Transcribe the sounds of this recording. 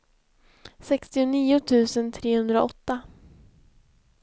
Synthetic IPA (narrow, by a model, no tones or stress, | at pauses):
sɛkst̪ɪʊniːʊt̪ʰʉ̟ːsənt̪ʰɾeːhɵnd̪ɾa̰ʔɔ̰t̪ːa